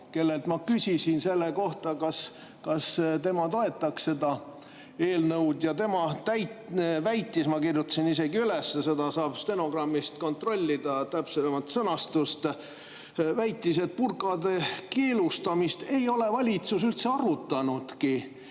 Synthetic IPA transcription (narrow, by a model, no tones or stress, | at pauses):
ke̞lːe̞lt̪mɑkysʲisinse̞lːeko̞ht̪ɑkɑs | kɑst̪e̞mɑt̪o̞e̞t̪ːˑɑksse̞d̪ɑ | e̞ːlnɤwd̪̥jɑt̪e̞mɑt̪æjtvæjt̪ˑːismɑkirjut̪ːˑɑ̥sinise̞ɡiyle̞sːese̞d̪ɑsɑːb̥st̪e̞no̞ɡ̥rɑmːist̪ko̞nt̪ro̞lʲːid̪̥ɑt̪æpsemɑt̪sɤnɑst̪ust̪ | væjt̪ˑːis̬e̞t̪̚purkɑd̪̥e̞keːlust̪ɑmist̪e̞jo̞le̞vɑlʲit̪susylt̪se̞ɑrut̪ːˑɑnud̪̥ki